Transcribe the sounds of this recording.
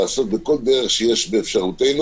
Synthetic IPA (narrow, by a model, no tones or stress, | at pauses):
so̞t̪̚beko̞ld̪eʁeχʃejeʃbeːfʃaʁut̪e̞jnu